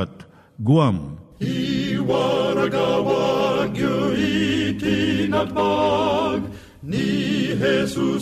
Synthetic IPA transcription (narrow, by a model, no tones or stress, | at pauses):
ɐt̪ | ɡuamiʋaːɾɐɡaːʋaːɡjoːʋit̪inɐaːɡ | niɦeːsu